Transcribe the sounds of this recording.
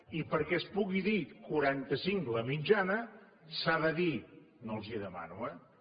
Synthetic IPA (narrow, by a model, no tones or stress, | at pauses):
ipəɾkɛspuɣiðikuɾant̪əsiŋləmid͡ʒanə | saðəði | nolˠziəðəma̰nwə